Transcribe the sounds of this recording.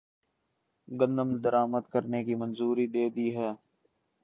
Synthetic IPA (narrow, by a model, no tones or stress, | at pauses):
ɡə̃nd̪əmd̪əɾaːməd̪kəɾneːkimənzuːɾid̪eːd̪iːɦɛː